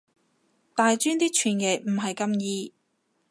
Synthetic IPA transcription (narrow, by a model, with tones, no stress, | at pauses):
t̪aː˨jt͡ʃyː˥nt̪iː˥t͡ʃʰyː˨˩njɛ˨˩m̩˨˩ɦɐ˨jkɐ˧mjiː˧